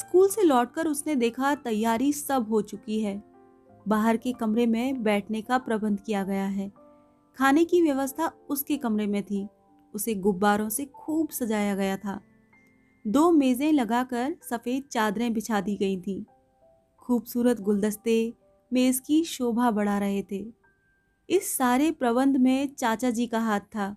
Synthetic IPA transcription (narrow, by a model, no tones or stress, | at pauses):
skuːlselɔːʈ̚kɐɾʊsned̪eːkʰat̪ɐjːaːɾisɐbʱɦot͡ʃʊkiɦɛː | baːɦəɾkekɐmɾemẽbɛːʈʰnekapɾɐbə̃nd̪ʱkijaɡɐjaɦɛː | kʰaːnekiʋjɐʋəst̪ʰaʊskekɐmɾemẽt̪ʰiː | ʊseɡʊbːaːɾõsexuːbsɐd͡ʒaːjaɡɐjat̪ʰaː | d̪oːmeːzẽlɐɡakɐɾsɐfeːd̪̚t͡ʃaːd̪ɾẽbɪt͡ʃʰaːd̪iɡɐit̪ʰĩː | xuːbsuːɾət̪ɡʊld̪əst̪e | meːzkiʃoːbʱabɐɽ̤aɾɐɦet̪ʰeː | ɪsːaːɾepɾɐβə̃nd̪ʱmẽt͡ʃaːt͡ʃad͡ʒikaɦaːt̪ʰːaː